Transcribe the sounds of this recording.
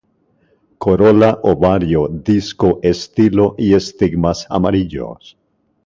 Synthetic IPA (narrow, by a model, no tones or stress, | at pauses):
kʰoɾolaʔoβaɾjoðiskoʔest̪iloʔie̞st̪iɡmasa̰maɾiʎo̰s